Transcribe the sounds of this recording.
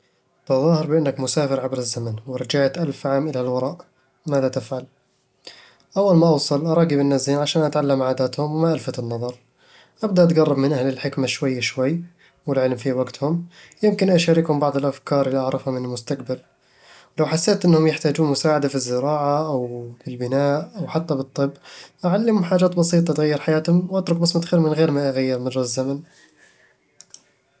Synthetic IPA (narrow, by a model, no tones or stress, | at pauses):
b̪̥ɑðˤɑːhɪɾˤbɪʔɪnːakmʊsaːfɪɾʕabɾɪzːamanwɪɾˤɑd͡ʒaʕt̪ʔalfʕaːmʔɪlalwɑɾˤɑːʔ | maːðat̪ɪfʕal | ʔawːalmaʔɑwsˤɑlʔɑɾˤɑːɡibɪnːaziːnʕaʃaːnʔat̪ʕalːamʕaːd̪aːt̪hʊmwɪmaʔalfat̪ɪnːɑðˤɑɾˤ | ʔabd̪aʔat̪ɡɑrˤːɑbmɪnʔahlɪlħɪkmaʃwajːaʃwajː | wɪlʕɪlmfiwaɡt̪hʊm | jɪmkɪnʔaʃaːɾɪkhʊmbɑʕd̪ˤɪlʔafkɑːɾˤɪlːiʔɑʕɾˤɑfhamɪnɪlmʊst̪aqbal | wlawħasːeːt̪ʔɪnːhʊmjɪħt̪aːd͡ʒuːnmʊsaːʕad̪afizːɪɾɑːʕaʔawbɪlbɪnaːʔawħat̪ːabɨt̪ˤːɨbːʔaʕalːɪmʊħaːd͡ʒaːt̪bɑsiːt̪ˤɑt̪ɣajːɪɾˤħajaːt̪hʊmwʔat̪ɾʊk̚mʊsmʊt̪xiːɾmɪnɣeːɾmaʔaɣajːɪɾmɪrˤːazːaman